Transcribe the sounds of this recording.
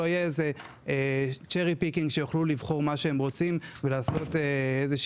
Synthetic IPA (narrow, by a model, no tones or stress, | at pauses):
oajeeze̞ | et͡ʃeʁipikiŋɡʃejoχlulivχo̞ʁmaʃeemʁo̞t͡simvelaːso̞teezeʃ